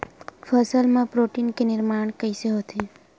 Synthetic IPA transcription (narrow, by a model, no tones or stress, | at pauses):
fʰəsəlmãpɾoʈinkenɪɾmaɳ̃kəjseɦot̪ʰi